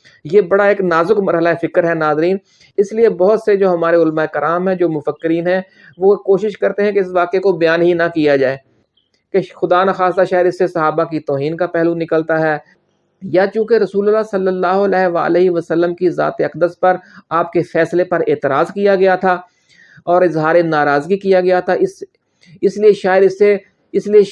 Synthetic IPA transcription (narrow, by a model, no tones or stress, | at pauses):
jeːbɐɽaeːknaːzʊkmɐɾɦəlaɦefɪkəɾɦɛnaːzɾiːn | ɪsliebɔɦʊt̪sed͡ʒoːɦɐmaːɾeʊlmaekɪɾaːmɦɛ̃d͡ʒoːmʊfəkːɪɾiːnɦɛ̃ | ʋokoːʃɪʃkɐɾt̪eɦɛ̃keɪsʋaːkekobɐjaːnɦinɐkijad͡ʒaːeː | kexʊd̪aːnaxaːst̪aʃaːjəd̪ɪsːesɐɦaːbakit̪ɔːɦiːnkapɛɦlũnɪkəlt̪aɦɛː | jat͡ʃũːkeɾɐsuːləlːaːsɐlːəlːaːɦoɐlɛːɦʋa̰ːə̰leɦiʋɐsəlːəmkiza̰ːt̪eɐqd̪əspɐɾaːpkefɛːslepɐɾeːt̪ɪɾaːzkijaɡɐjat̪ʰaː | ɔːɾɪzɦaːɾenaːɾaːzɡikijaɡɐjat̪ʰaɪs | ɪslieʃaːjɪəd̪ɪsːe | ɪslie